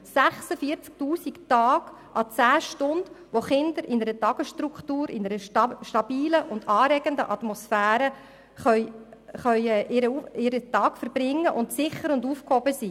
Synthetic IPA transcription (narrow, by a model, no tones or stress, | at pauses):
sæχsəfiəɾt͡sk̚tuːsiktɑːɡ̥ | ʔɑ̰t͡sæːʃtʊnd̥ʋoχɪnd̪əɾʔɪnəɾətɑɡ̥əsʃtɾukχtuːɾɪnəɾəʃtɑbiːləʔʊndɑːɾɛɡ̥əndəʔɑt̪mɔsfæːɾə | χœʏχœʏɛʔɪɾəɪɾətɑːkfəɾbɾɪŋːəʔʊntsɪχəɾʊnduːfkhobəsi